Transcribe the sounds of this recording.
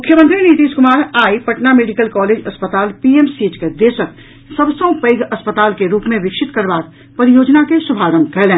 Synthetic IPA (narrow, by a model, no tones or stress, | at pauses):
mʊkʰjəmə̃nt̪ɾinit̪iːskʊmaːɾaːipɐʈnameːɖɪkəlkɔːleːd͡ʒɐspət̪aːlpiemsiːt͡ʃked̪eːʃək | səbsə̃ʊ̃peːɡɐspət̪aːlkeɾuːpmẽʋɪkʃɪt̪kəɾbaːk̪̚ | pɐɾijoːd͡ʒnakesʊbʱaːɾə̃mkɛɦlẽː